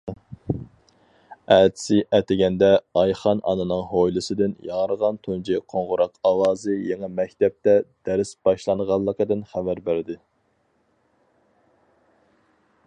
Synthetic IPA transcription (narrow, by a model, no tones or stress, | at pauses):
æt̪ʰɪ̥sɪʔɛt̪ɪɡʲɛnd̪ɛɑjχɑnʔɑ̰nɨnɨŋɦojlˠɨsɨd̪ɪnjɑŋəɾəʁɑnt̪ʰund͡ʒiqʰoɴʁʊɾɑqʰɑwɑːzɨjeŋɛmɛkʲt̪ɛp̚t̪ɛd̪̥ɛɾɪsbɑʃlˠɑnʁɑlˠːəqəd̪ɨnχævæɾbæɾɪd̪ɪ